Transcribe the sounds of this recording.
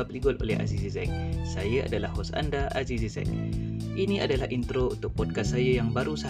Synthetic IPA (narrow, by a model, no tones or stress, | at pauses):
ap̚liɡɔlo̰lɛɦa̰zisizɛ̰ŋ̚sajəʔa̰dalahɦɔsa̰ndaʔa̰zisizɛ̰ŋ | ʔiniʔa̰dalaint̪ɾount̪ʊk̚pɔd̚kassajəjaŋbaɾusa